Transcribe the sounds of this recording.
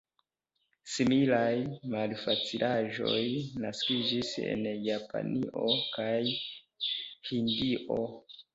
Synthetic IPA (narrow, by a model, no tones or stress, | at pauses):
similajmalfat͡silʔaʒo̞̰jnaskid͡ʒise̞̰njapa̰niʔokaj | hindiʔo̞